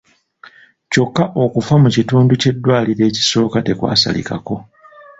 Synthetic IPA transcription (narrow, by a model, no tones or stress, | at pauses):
co̞kːaʔo̞kufamucituːnduce̞dːwaːliɾe̞ːci̥so̞ːkate̞kwa̰ːsa̰lḭka̰ko̞